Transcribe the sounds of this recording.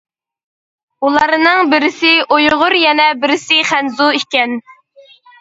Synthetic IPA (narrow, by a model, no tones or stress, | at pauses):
ulˠɑɾnɨŋbɪɾɪsɪʔojʁʊɾjɛnɛbɪɾɪsɪχænzuikʲɛn